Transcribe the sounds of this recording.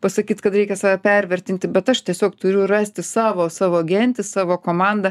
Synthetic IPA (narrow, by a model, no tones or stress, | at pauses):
pɐsɐkʲiːt̪kɐt̪ɾʲɛɪkʲɛsɑːʋʲɛpʲɛɾʲʋʲɛrʲt̪ʲɪnʲt̪ʲɪbʲɛt̪ɐʃt̪ʲiɛsʲoːkt̪ʊɾʲʊrɑːsʲt̪ʲɪsɑːʋoːsɑːʋoːɡʲɛnʲt̪ʲɪsɑːʋoːkoːmɑnd̪ɐ